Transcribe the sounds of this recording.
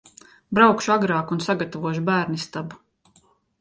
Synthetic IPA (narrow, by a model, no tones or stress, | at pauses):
bɾawkʃuaɡɾaːkunsaɡat̪avuɔʃ̬ubæːɾnist̪abu